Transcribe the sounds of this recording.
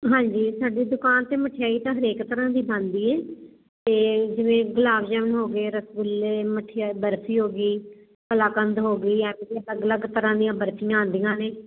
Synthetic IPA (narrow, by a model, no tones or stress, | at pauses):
ɦãːɲd͡ʒiːsaːɖiːd̪ʊkaːnt̪eːməʈʰɪjaːiːt̪ãːɦəɾeːkt̪əɾãːd̪iːbãnd̪iːɛː | t̪eːd͡ʒɪʋẽːɡʊlaːʋd͡ʒɛːʋnɦoːɡeːɾəsɡʊleːməʈʰːbəɾtʰiːɦoːɡiː | pəlaːkənd̪ɦoːɡəiːɛːmẽːd̪iːələɡləɡt̪əɾãːd̪ɪjãːbəɾtʰɪjãːə̃nd̪ijãːneː